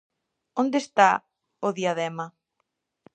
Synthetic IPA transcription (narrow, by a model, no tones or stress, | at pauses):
ond̪est̪a | ʊðiaðɛmɐ